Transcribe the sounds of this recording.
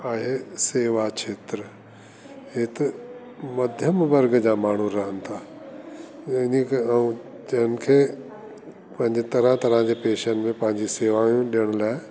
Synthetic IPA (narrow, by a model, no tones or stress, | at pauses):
aːɦeseːʋakʰeːt̪ɾə | ɦet̪ɐ | mɐd̪ʱjəmʋɐɾɡd͡ʑaːmaːɳ̤uɾɐɦənɪ̆t̪ʰaː | ɪnikũ | t͡ɕɐɦənɪ̆kʰeː | pɐ̃ɦɪ̃ɲd͡ʑt̪ɐɾãt̪ɐɾãd͡ʑeːpeːʃənmẽpɐ̃ɦɪ̃ɲd͡ʑiseːʋaːjũɗijəɽ̃laːɪ